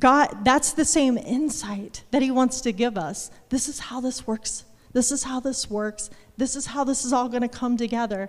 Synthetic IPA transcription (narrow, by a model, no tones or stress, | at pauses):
ɡ̥ɑd̚ðætsðɨsẽɪ̃mɪ̃nsaɪt̪̚ðɨt̚hiwɑ̃ntstɨɡɪvʌsðɪsɨz̥haʊðɪswɜ˞ks | ðɪsɨz̥haʊðɪswɜ˞ksðɪsɨz̥haʊðɪsəzɔlˠɡʌɾ̃ɨkʰʌ̃mtɨɡɛðə˞